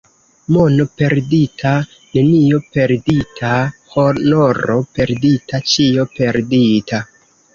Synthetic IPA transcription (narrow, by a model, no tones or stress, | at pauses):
monope̞ɾditʰa | ne̞nijo̞pe̞ɾditʰahonoɾope̞ɾditat͡ʃiope̞ɾdita